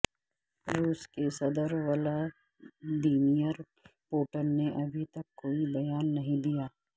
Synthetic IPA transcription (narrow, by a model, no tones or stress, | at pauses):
ɾuːskesɐd̪əɾʋɐla | d̪iːmijəɾ | poːʈənːeʔɐbʱit̪ɐkːoːibɐjaːnːɐɦĩd̪ijaː